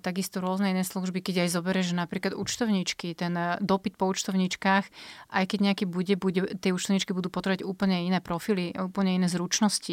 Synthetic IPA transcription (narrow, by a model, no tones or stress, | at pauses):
t̪aɡist̪ɔɾʊɔznɛinɛːsluʒbikɛɟajzɔbɛɾɛʒʒɛnapɾiːklad̪ṵt͡ʃt̪ɔʊɲit͡ʃkit̪ɛnd̪ɔpit̪̚pɔuːt͡ʃt̪ɔʊɲit͡ʃkaːxʔajkɛɟɲɛakibuɟɛbuɟɛt̪ɪɛuːt͡ʃt̪ɔʊɲit͡ʃkibud̪uːpɔt̪ɾʋaɟuːpl̩ɲɛinɛːpɾɔfiliuːpl̩ɲɛinɛːzɾut͡ʃnɔsci